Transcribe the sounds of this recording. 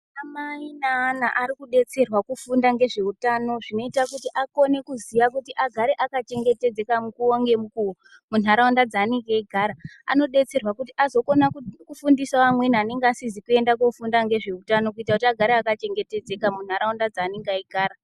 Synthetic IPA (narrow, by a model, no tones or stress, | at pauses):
amainaːnaʔaɾikuɗe̞t͡se̞rwakufundaŋɡe̞ʐe̞utaːno̞ʐino̞itakutiʔako̞ne̞kuziʋakutiʔaɡʱaɾeʔakat͡ʃe̞ŋɡe̞te̞d͡ze̞kamukuoŋɡe̞mukuo | munɦaɾaundad͡zaːneŋɡeiɡʱaːɾaa̰no̞ɗe̞t͡se̞rwakutiʔazo̞ko̞nakkufundisaʋamwe̞nane̞ŋɡasizikue̞ndako̞fundaŋɡe̞ʐe̞utano̞k̬uitakutiaɡʱaɾeakat͡ʃe̞ŋɡe̞te̞d͡ze̞kamun̤aɾaundad͡zaːneŋɡaiɡʱaːɾa